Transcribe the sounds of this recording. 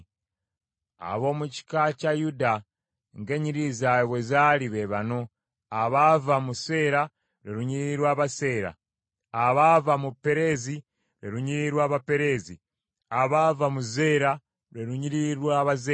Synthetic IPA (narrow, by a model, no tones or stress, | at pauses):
a̰βo̞ːmuci̥kacajuda | ŋɡe̞ɲiɾizajβwezaliβeβano̞ | aβavamuse̞ːɾa | ɾeɾuɲiɾiɾwaːβase̞ːɾa̰ | aβavamupe̞ɾe̞zi | ɾeɾuɲiɾiɾwaːβape̞ɾe̞zḭ | aβavamuze̞ːɾa | ɾeɾuɲiɾiɾwaβaze